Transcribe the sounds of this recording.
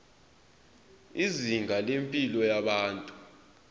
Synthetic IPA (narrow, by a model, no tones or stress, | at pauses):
iziŋʱalempʼilɔjaɓaːntʼu